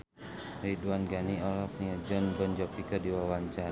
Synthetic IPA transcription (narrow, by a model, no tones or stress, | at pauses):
riduanɡaniɔlɔk̚niad͡ʒɔnbɔnd͡ʒɔpikɔdiwawaɲt͡ʃa